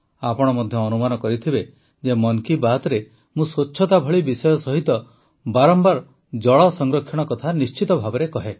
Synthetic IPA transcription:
apɔɽ̃ɔmɔd̪ʱjɔːnumanɔkɔɾit̪ʰibe | d͡ʒemɔŋkibat̪ɔɾe | mũsot͡ʃːʃʰɔt̪abʱɔɭibisɔjɔsɔɦit̪ɔ | baɾɔmbaɾ | d͡ʒɔɭɔsɔŋɡɾɔkʰjɔɽ̃ɔkɔt̪ʰanist͡ʃit̪ɔbʱabɔɾekɔɦe

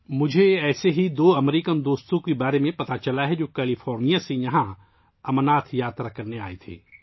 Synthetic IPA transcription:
mʊd͡ʒʱeɛːseɦid̪oːɐmɾiːkənd̪oːst̪õkebaːɾemẽpɐt̪at͡ʃɐlaɦɛd͡ʒoːkɛːlifʰɔːɾnijasejɐɦã | ɐmənaːt̪ʰjaːt̪ɾakɐɾnea̰ːet̪ʰḛː

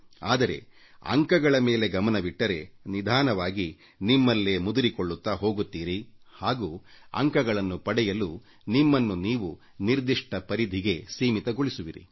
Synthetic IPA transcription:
aːd̪ɐɾe̞̰ | ɐ̰ŋkɐɡɐɭɐme̞ːle̞ɡɐmɐnɐʋiʈːɐɾe̞nid̪ʱaːnɐʋaːɡi | nimːɐlːemud̪uɾikoɭːut̪ːaːɦo̞ːɡut̪ːiːɾihaːɡuːɐ̰ŋkɐɡɐɭɐnːupɐɽɛjɐlu | nimːɐnːuniːʋu | niɾd̪iʂʈɐpɐɾid̪ʱiɡe̞siːmit̪ɐɡoɭisuʋiɾḭ

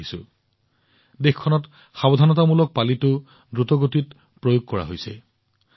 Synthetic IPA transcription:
isʊ̰ | dexkʰːɔnɔt | xabɔdʱanɔtamulɔk̚palitʊ | dɹutɔɡotit | pɹojoɡ̚kɔɹa̰ɦojsɛ̰

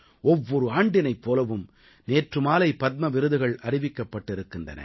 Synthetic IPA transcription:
ɔʋːɔɾɯaːɳɖɪnɐɪpːoːlɐʋɯm | neːʈrɯmaːlɐɪpɐt̪̚mɐʋɪɾɯðɯɣɐɭɐrɪʋɪkːɐpːɐʈːɪɾɯkːɪndrɐ̰nɐ̰

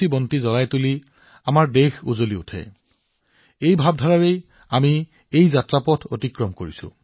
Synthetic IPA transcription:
ibɔntizɔlajtuli | amaɹdexuzoliṵtʰɛ̰ | ejbʱab̚dʱaɹaɹej | ami | ejzatɹapɔtʰo̰tikɹɔmkoɹisʊ̰

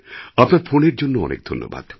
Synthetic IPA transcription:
apnaɾfoneɾd͡ʑonːoɔ̰nʔḛk̚d̪ʱo̰nːo̰ba̰d̪̥

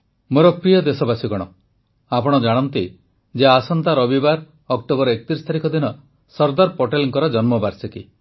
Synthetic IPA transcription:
moɾɔpɾijɔd̪esɔbasikɔɽ̃ɔ | apɔɽ̃ɔd͡ʒaɽ̃ɔnt̪i | d͡ʒeasɔnt̪aɾɔbibaɾ | ɔkʈobɔɾɔekt̪iɾist̪ʰaɾikɔd̪inɔ | sɔɾd̪aɾpɔʈelŋkɔɾɔd͡ʒɔnmɔbaɾsɔki

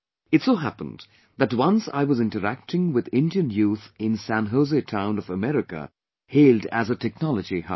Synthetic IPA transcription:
ɨtsoʊɦæpə̃nd | ðɨt̚wʌ̃nsa̰ɪwʌzɪ̃ntəɾæk̚tɪ̃ŋwɪðɪ̃ndiɨ̃njuθɪ̃nsæ̃nɦoʊzetʰãʊ̃nʌvəmɛɾɪkə̰ | heɪlˠdæ̰zətʰɛk̚nɑlˠəd͡ʒiha̰

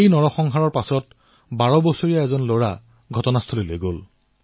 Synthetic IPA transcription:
ejnɔɹɔxɔŋɦaɹɔɹpasɔt | baɹɔbɔsoɹijaɛzɔnloɹa̰ | ɡʱɔtɔnastʰolilojɡol

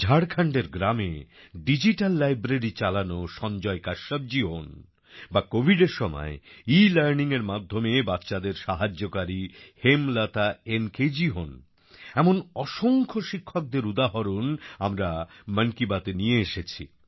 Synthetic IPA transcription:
d͡ʑʱaɽkʰaɳɖeɾɡɾamḛ | ɖid͡ʑiʈalːajbɾeɾit͡ɕalanoʃɔnd͡ʑɔekaʃab̚d͡ʑiɦon | bakobʱiɖeɾʃɔmɔ̰eilɛɾniŋeɾmad̪ʱːomebatːɕad̪eɾʃaɦad͡ʑːokaɾihemlat̪aenked͡ʑiɦon | ɛmonɔʃoŋkʰoʃikʰːok̚d̪eɾud̪aɦoɾonamɾaməŋkibat̪enijeeʃet͡ɕʰḭ

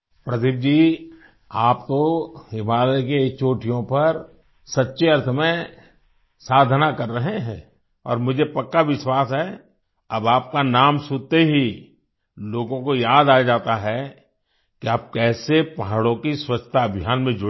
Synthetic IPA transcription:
pɾɐt̪ɪp̚d͡ʒiː | aːpt̪oɪbaːd̪əket͡ʃoːʈʰijõpɐɾ | sɐtːʃeɐɾt̪ʰəmẽ | saːd̪ʱənakɐɾːɐɦeɦɛ̃ː | ɔ̰ːɾmʊd͡ʒʱepɐkːaʋɪʃwaːsɦɛ | ɐbaːp̚kanaːmsʊt̪eɦi | loːɡõkojaːd̪aːd͡ʒaːt̪aɦɛ | kiaːp̚kɛːsepaɦɽõkiswət͡ʃt̪ʰaɐbʱjaːnmẽd͡ʒʊ

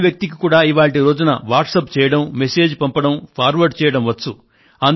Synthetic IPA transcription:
ʋjɐk̚t̪ikikuːɽaːiʋaːɭʈiɾo̞ːd͡ʒunɐ̰ʋaːʈsɐpt͡ʃɛːjɐɽɐmːese̞ːd͡ʒpɐmpɐɽɐmpʰaːɾʋɐɾɖt͡ʃɛːjɐɽɐmʋɐt͡sːu | ɐn

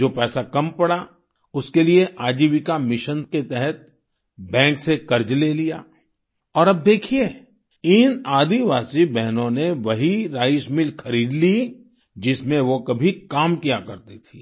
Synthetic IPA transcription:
d͡ʒoːpɛːsakɐmpɐɽa | ʊskelieʔaːd͡ʒiːʋikamɪʃənket̪ɛɦɛt̪̚ | bɛ̃ːksekɐɾd͡ʒleːlijaː | ɔːɾɐb̚d̪eːkʰie | ɪnaːd̪iʋaːsibɛɦnõneʋɐɦiɾaːjɪʃmɪlxɐɾiːd̪li | d͡ʒɪsmẽʋokɐbʱikaːmkijakɐɾt̪it̪ʰiː

